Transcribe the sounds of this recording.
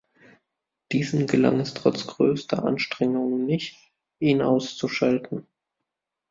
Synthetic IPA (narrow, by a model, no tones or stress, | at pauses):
d̥iːzn̩ɡəla̰ŋɛstʁ̥ɔ̰t͡sɡ̥ʁøːstɐ̰ʔa̰nʃtʁ̥ɛŋʊŋənːɪçt | ʔiːnʔa̰ʊst͡suʃaltn̩